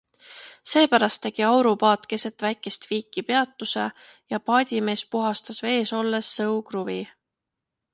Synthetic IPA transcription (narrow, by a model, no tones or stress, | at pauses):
se̞ːpæɾɑst̪ːe̞ɡ̥iɑwɾupɑːt̪ke̞se̞t̪ːvæjkːˑe̞st̪viːkˑːipe̞ɑt̪ːˑuse | jɑpɑːd̪̥ʲime̞ːspuɦɑst̪ɑsve̞ːso̞lːesːɤwkruvi